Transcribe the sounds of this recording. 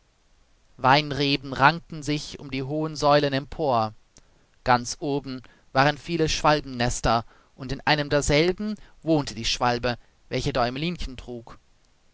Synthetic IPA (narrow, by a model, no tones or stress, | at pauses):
vaɪnʁeːbn̩ʁaŋtn̩zɪçʊ̰mdiːɦoːənzɔʏlənɛmpʰoːɐ | ɡ̥ant͡sʔoːbm̩ | v̥aːʁənfiːləʃv̥albm̩nɛstɐ | ʔʊntɪnʔaɪnəmdeːɐzɛlbm̩voːntʰədiːʃv̥albə | vɛlçədɔʏɪmliːnçəntʁ̥uːk